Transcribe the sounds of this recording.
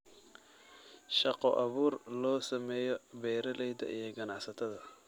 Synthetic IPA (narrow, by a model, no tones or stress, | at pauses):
ʃɑqɔʔɑβuːrlɔːsɐmɛːjɔbɛːɾɐlɛjd̪ɐ̰ʔijɞɡɐnɑħsɐt̪ʰɐðɐ